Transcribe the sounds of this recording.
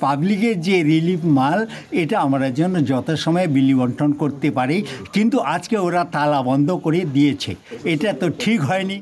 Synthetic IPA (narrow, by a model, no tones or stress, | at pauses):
pablikeɾd͡ʑeɾilifmaleʈaamaɾad͡ʑɔnːod͡ʑɔt̪ʰoʃɔmɔebilibɔɳʈɾonkoɾt̪epaɾejkint̪uʔad͡ʑkeoɾat̪alabɔnd̪ʱokoɾed̪iet͡ɕʰḛeʈat̪oʈʰikɦɔeni